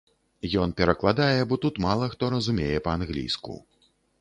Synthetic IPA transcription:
jɔnpʲɛɾɐklˠad̪ajɛbɔt̪ut̪malˠɐxt̪ɔɾɐzumʲejɛpɐanɣlʲḭjskṵ

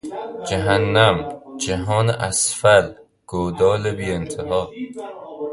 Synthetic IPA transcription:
d͡ʒæɦænːæmd͡ʒæɦɒːneʔæsfæl | ɡ̥oːd̪ɒːlebiːent̪ʰeɦɒː

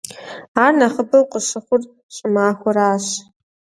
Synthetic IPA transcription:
aːrnaχəbɐwqʷʼəʂɨχʷʊr | ɕʼɪmaːxʷʊɾaːɕ

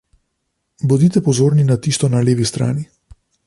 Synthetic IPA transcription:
bɔd̪it̪ɛpɔzoːɾninat̪iːst̪ɔnaleːʋist̪ɾa̰ːni

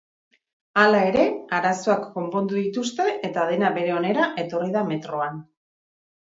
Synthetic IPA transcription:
alae̞ɾe̞aɾasoakːo̞mpo̞nd̪uðit̪ust̪e̞ʔet̪að̞e̞naβe̞ɾe̞o̞ne̞ɾaʔe̞t̪o̞riðame̞t̪ɾo̞an

